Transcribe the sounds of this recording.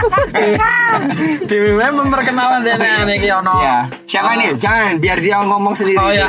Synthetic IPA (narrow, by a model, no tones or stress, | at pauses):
d̥iweweməmpərkənalant̪ianaaanekeɔnɔja | ʃafanid͡ʒaŋanbiard̪iaɔŋɔmɔŋsəndiɾija